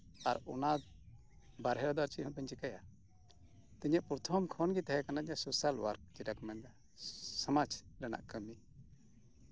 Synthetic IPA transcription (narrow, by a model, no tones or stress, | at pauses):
aɾɔna | baɾɦɛɾɔd̪aɾt͡ʃiɔpəɲt͡ʃikaja̰ | t̪iɲɛʔpɾɔt̪ʰɔmkʰɔnɡit̪aɦɛkanaɲasusalwa̰ɾk̚d͡ʒiʈakmɛnd̪a | samad͡ʒɖana̰ʔkəmi